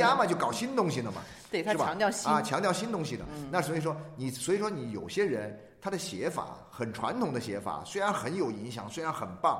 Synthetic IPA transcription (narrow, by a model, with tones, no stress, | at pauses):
a˥mə˨t͡ɕjo˥˩ʊkɑ˨˩ʊɕi˥nt̪ʊ˥ŋɕi˨d̪ə˩mɐ̰˩ | t̪we˥˩t̪ʰʂ̩˥˩a˧˥ŋt̪jɑ˥˧˥t͡ɕʰjɑ˧˥ŋt̪jʊɕi˥nt̪̬ʊ˥ŋɕi˨˩d̪ə̰˩na˥˩ʂs̬wɔ˥i˨˩ʂ̬wɔ˥ni˨˩swɔ˧˥i˨˩ʂwɔ˥ni˧˥jo˨˩ʊɕjɛ˥ɻə˧˥n | t̪ʰa˥d̪ə˨ɕjɛ˧˥fa̰˧˩˦ | xə˨˩nʈ͡ʂʰwa̰˧˥nt̪ʰʊ˨˩ŋd̪ə˦˧ɕjɛ˧˥fa̰˨˩˦swe˥ɪɻa˧˥nxə˧˥njo˨˩ʊi˧˥ŋɕjɑ̰˨˩ŋswe˥ɪɻa˧˥nxə˨˩npɑ˥˩ŋ